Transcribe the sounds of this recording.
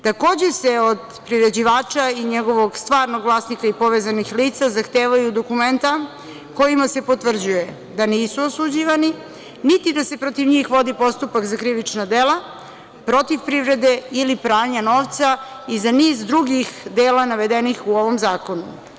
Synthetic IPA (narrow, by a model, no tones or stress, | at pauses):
t̪ako̞ːd͡ʑeseod̪ | pɾiɾe̞d͡ʑiʋaːt͡ʃaiɲeɡo̞ʋo̞ɡst̪ʋaːɾnoɡʋlˠaːsnikaipo̞ʋeːzanixliːt̪sazaxt̪eːʋajud̪o̞kument̪a | ko̞jimase̞po̞t̪ʋvr̩d͡ʑuje | d̪aniːsuosud͡ʑiʋani | nit̪id̪ase̞pɾo̞t̪iʋɲiːxʋo̞d̪ipo̞st̪upakzakɾiʋit͡ʃnad̪elˠa | pɾo̞t̪ifpɾivɾe̞d̪e̞ilipɾaːɲano̞ːʋt̪sa | izaniːzd̪ɾuɡixd̪eːlanaʋe̞d̪enixuo̞ʋo̞mzaːko̞nu